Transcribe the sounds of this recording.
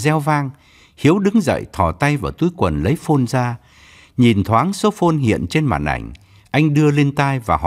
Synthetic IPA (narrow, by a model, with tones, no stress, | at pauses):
zɛ˧wvaː˧ŋ | hi˨˦əwɗɨ˨˦ŋzə̰˧˨jt̪ʰɔ˧˩t̪a˧jvaː˨˩t̪u˨˦jkwə˨˩nlə˨˦jfo˧nzaː˧ | ɲi˨˩nt̪ʰwaː˨˦ŋso˨˦fo˧nɦḭ˧˨ənt͡ɕe˧nma̰ː˨˩nʔa̰˧˩jŋ̟ | ʔa˧jŋ̟ɗɨ˧əle˧nt̪aː˧jvaː˨˩ɦɔ˧˨